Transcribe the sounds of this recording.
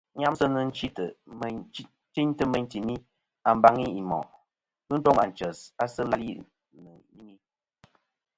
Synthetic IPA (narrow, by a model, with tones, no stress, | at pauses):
ɲa˦msə˦nə˦n̩˦t͡ʃi˦tə˨˦ | ti˦ɲtə˦mə˦ɲ˦ti˨mi˦ | a˨m̩˦ba˦ŋi˦i˨mɔ̰˨ʔ | kɨ˦n̩˦tɔ˦ŋa̰˨n̩˨t͡ʃə˨sa˦sə˦la˦lḭ˦ | nə˨ɲi˦mi˦